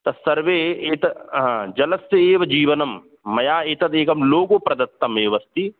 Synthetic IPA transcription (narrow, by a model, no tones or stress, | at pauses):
t̪ɐsɐɾʋeːeːt̪ɐɦd͡ʒɐlɐseeːʋɐd͡ʒiːʋɐnɐmː | ɐjaːeːt̪ɐd̪eːkɐmloːkopɾɐd̪ɐt̪ːɐmeːʋɐst̪i